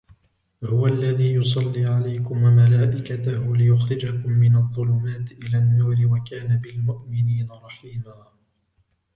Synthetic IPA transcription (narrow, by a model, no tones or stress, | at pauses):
hʊwaʔalːaðiːjʊsˤɑlːiːʕalajkʊmwamalaːʔɪkat̪ahʊlɪjʊxɾɪd͡ʒakʊmːɪnɑðˤːʊlʊmaːt̪ʔɪlaːnːuːɾɪwakaːnabɪlmʊʔmɪniːnaɾˤɑħiːmaː